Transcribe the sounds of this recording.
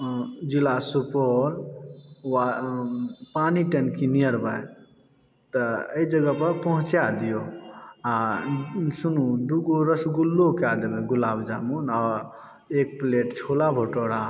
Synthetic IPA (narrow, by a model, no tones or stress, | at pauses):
d͡ʒilasupɔɾ | wa | paniʈənkinijəɾbəj | t̪əəid͡ʒəɡəpəɾpəɦũt͡ʃjad̪ijoa | sunud̪uɡoɾəsɡulːokead̪ebeɡulabd͡ʒamunɔɾ | ek̚pleʈt͡ʃʰolabʱoʈoɽa